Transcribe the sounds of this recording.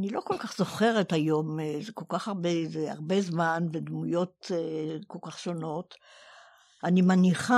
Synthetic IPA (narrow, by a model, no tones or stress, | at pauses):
anilo̞ko̞lkaχz̥o̞χe̞ʁetajo̞mzeko̞lkaχaʁbezea̰ʁbe̞zmanved̪mujo̞teko̞lkaχʃono̞t | animaniχa